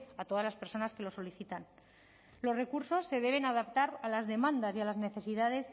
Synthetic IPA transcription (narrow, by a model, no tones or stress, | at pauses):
at̪o̞ðazlaspe̞ɾso̞naske̞lo̞so̞liθit̪an | lo̞sre̞kuɾso̞sːe̞ðe̞β̞e̞nað̞apt̪aɾalazðe̞mãnd̪asialazne̞θe̞siðaðe̞s